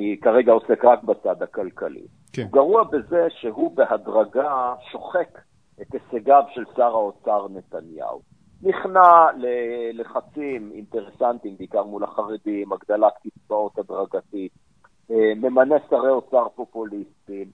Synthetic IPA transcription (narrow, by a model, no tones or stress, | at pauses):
ikaʁeɡao̞se̞kʁak̚bat͡sad̪hakalkalḭ | ɡaʁuabe̞ze̞ʃeɦubeɦadʁaɡaʃo̞χe̞k | et̪aseɡavʃe̞lsaʁaot͡saʁne̞t̪anja̰ṵ | niχnaleleχat͡simḭnt̪e̞ʁesant̪imbeikaʁmulaχaʁed̪imaɡd̪alat̪kit͡svao̞t̪ad̪ʁaɡat̪it̚ | me̞manesaʁeo̞t͡saʁpo̞pulistim